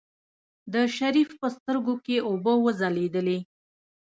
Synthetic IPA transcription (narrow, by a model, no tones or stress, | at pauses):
d̪əʃaɾifpəst̪əɾɡokeobəwəzaled̪əle